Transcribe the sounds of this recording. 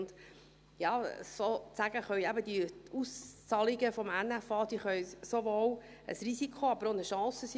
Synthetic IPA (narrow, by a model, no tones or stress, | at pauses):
nd̥̪ | jɑːsot͡sæɡ̥əχœʏæbəd̪iust͡sɑliɡəfɔmænæfɑːd̪iːχœjsoʋoːl | ə̰sɾisikʰoɑb̥əɾonəʃɑ̃ːsəsi